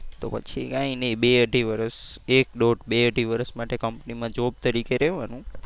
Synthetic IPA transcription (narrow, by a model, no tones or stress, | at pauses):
t̪o̰pə̰t͡ʃʰiɡãĩnebeəʈiʋəɾəsek̚ɗoʈbeəʈiʋəɾəsmaʈekəmpnimãd͡ʒob̚t̪əɾikeɾɛʋanũ